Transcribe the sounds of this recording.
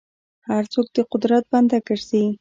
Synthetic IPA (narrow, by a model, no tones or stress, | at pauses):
haɾt͡sok̚d̪əqʊd̪ɾat̪̚band̪akəɾsi